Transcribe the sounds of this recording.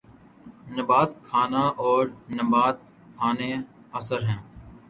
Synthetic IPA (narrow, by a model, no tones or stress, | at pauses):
nəbaːt̪kʰaːnaːʔɔːɾnəbaːt̪̚ | kʰaːneː | əsəɾɦɛ̃ː